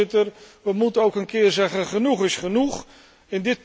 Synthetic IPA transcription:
ɪtərʋəmutənowkənkɪːrzɛχəχənuχɪsχənuχ | ɪndɪt̚

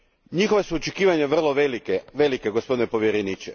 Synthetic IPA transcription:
ɲixoʋesuot͡ʃekiːʋaɲeʋr̩lˠoʋelikeʋelikeɡospo̞d̪inepo̞ʋjeɾeniːt͡ʃe

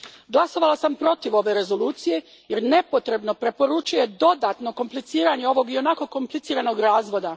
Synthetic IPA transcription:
ɡlaso̞ʋalasampɾo̞t̪iʋo̞ʋe̞ɾe̞zo̞luːt̪sije̞ | jeɾne̞po̞t̪ɾe̞bno̞pɾe̞po̞ɾut͡ʃuje̞d̪o̞d̪at̪no̞ko̞mplit̪siːɾaɲe̞o̞ʋo̞ɡio̞nako̞ko̞mplitsiːɾano̞ɡɾaːzʋo̞d̪a

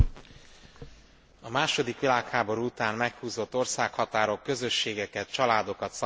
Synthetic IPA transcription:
ɒmaːʃo̞d̪ikʋilaːkhaːbo̞ɾuːut̪aːmmɛkhuːzo̞t̪ːo̞rsaːkhɒt̪aːɾo̞kːø̞zø̞ʃːeːɡɛkɛt̪̚t͡ʃɒlaːd̪o̞kɒt̪sɒ

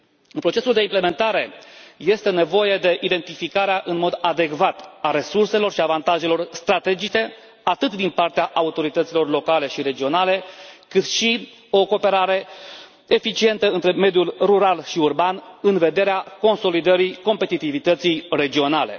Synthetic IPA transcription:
ɨnpɾo̞t͡ʃe̞suld̪e̞imple̞me̞nt̪aɾe̞je̞st̪e̞ne̞vo̞jed̪e̞ʔid̪e̞nt̪ifikaɾeaʔɨnmo̞d̪ad̪e̞kvat̪aɾe̞surse̞lo̞rʃiavant̪aʒe̞lo̞rst̪ɾat̪e̞d͡ʒit͡ʃe̞ | at̪ɨt̪d̪inpart̪eaʔaut̪o̞ɾit̪ət̪silo̞rlo̞kale̞ʃiɾe̞d͡ʒio̞nale̞kɨt̪ʃi | o̞ko̞ːpe̞ɾaɾe̞ | efit͡ʃie̞nt̪əɨnt̪ɾe̞me̞d̪julruɾalʃiurbanɨnve̞d̪e̞ɾeako̞nso̞lid̪əɾiko̞mpe̞t̪it̪ivit̪ət̪sijre̞d͡ʒio̞nale̞̰

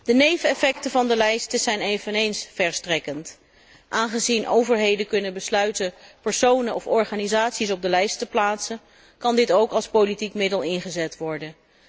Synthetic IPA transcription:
d̥ənejvəɛfɛktəvɑndəlɛjstəz̥ɛjnejvənejnsfɛɹstrɛkənt | ʔaːnχəzinʔo̰wvəɹɦejdəkɵnənbəslœɥtənpɛɹsownəʔɔfɔɹχaːnizaːtsis̬ɔb̚dəlɛjstəplaːtsən | kɑndɪtowkɑlˠspowlitikmɪdəlˠɪnχəzɛtʋɔɹdən

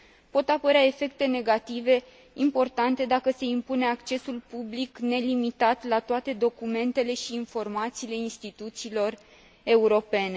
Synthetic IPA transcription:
po̞t̪apəɾeae̞fe̞k̚t̪e̞ne̞ɡat̪ive̞ | impo̞rt̪ant̪e̞d̪akəse̞impune̞akt͡ʃe̞sulpublikne̞limit̪at̪lat̪oat̪e̞d̪o̞kume̞nt̪e̞le̞ʃiːnfo̞rmat̪siːle̞inst̪it̪ut̪siːlo̞r | e̞uɾo̞pe̞ne̞

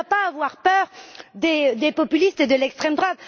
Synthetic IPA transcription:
apaːvwaʁpœːʁd̪ed̪epɔpylist̪əd̪əlɛkst̪χɛmd̪ʁwad̪

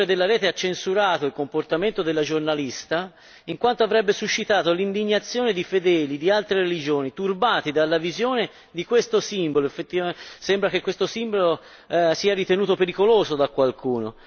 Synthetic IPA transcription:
ɾed̪elːaɾɛːt̪eat͡ʃːensuɾaːt̪oilkomport̪ament̪od̪elːad͡ʒornalist̪a | iŋkwant̪oavɾɛbːesuʃːit̪aːt̪olind̪iɲːat̪sːjoːned̪ifed̪ɛːlid̪ialt̪ɾeɾelid͡ʒoːnit̪urbaːt̪id̪alːavizjoːne | d̪ikwest̪osimboloefːet̪ːisɛmbɾak̟ekːwest̪osimbolo | siːaɾit̪enuːt̪̬opeɾikoloːzod̪akːwalkʰuːno̰

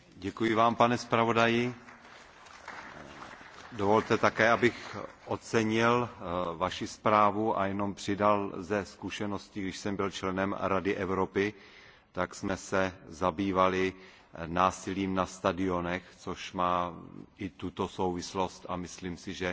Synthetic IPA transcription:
ɟɛkujɪvaːmpanɛspɾavo̞dajɪ | dovo̞lt̪ɛt̪akɛːʔabɪxʔo̞t͡sɛɲɪlvaʃɪspɾaːvuʔa̰jɛno̞mpr̝̥ɪdalzɛskuʃɛno̞scɪɡdɪʃsɛmbɪlt͡ʃlɛnɛmɾadɪʔɛvɾo̞pɪ | t̪aksmɛsɛzabiːvalɪ | naːsɪliːmnast̪adɪo̞nɛxt͡so̞ʃmaːʔɪt̪ut̪o̞so̞wvɪslo̞st̪ʔamɪsliːmsɪʒɛ

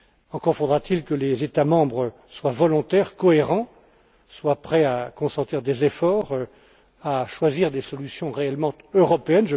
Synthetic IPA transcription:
ɑ̃kɔʁfod̪ʁat̪ilkəlezet̪amɑ̃bʁə | swavɔlɔ̃t̪ɛʁkɔeʁɑ̃ | swapχɛakɔ̃sɑ̃t̪iʁd̪ezefɔːʁ | aʃwaziʁd̪esɔlysjɔ̃ʁeɛlmɑ̃t̪øʁɔpeɛnʒə

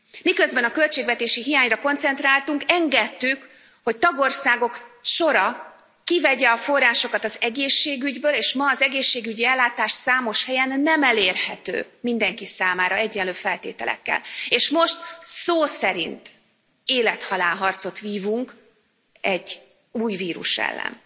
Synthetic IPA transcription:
mikø̞zbɛnɒkø̞lt͡ʃeːɡvɛt̪eːʃiɦijaːɲrɒko̞nt̪sɛnt̪raːlt̪uŋkɛŋɡɛt̪ːyk | ho̞c̚t̪ɒɡo̞rsaːɡo̞kʃo̞ɾɒ | kivɛɟɛɒfo̞rːaːʃo̞kɒt̪ɒzɛɡeːʃːeːɡyɟbøːleːʃmɒːzɛɡeːʃːeːɡyɟiɛlːaːt̪aːʃsaːmo̞ʃhɛjɛnːɛmɛleːrhɛt̪ø̰ːmind̪ɛŋkisaːmaːɾɒɛɟːɛnløːfɛlt̪ḛːt̪ɛlɛ̰kːɛ̰leːʃmo̞ʃt̪soːsɛɾḭnt̪ | eːlɛt̪hɒlaːlɦɒrt̪so̞t̪ʋiːvuŋk | ɛɟ | uːjviːɾṵʃɛ̰lːɛ̰n

